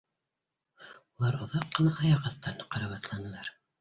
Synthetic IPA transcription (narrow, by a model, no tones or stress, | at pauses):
ulˠɑɾŏðɑqːɤ̆nɑʔɑjɑʁɑθt̪ɑnqɑɾɑβɑt̪lˠɑnɤ̆lˠɑɾ